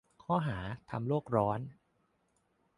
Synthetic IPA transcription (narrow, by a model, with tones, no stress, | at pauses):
kʰɔː˥˩ɦaː˩˦t̪ʰa˧mloː˥˩k̚ɾɔː˦˥n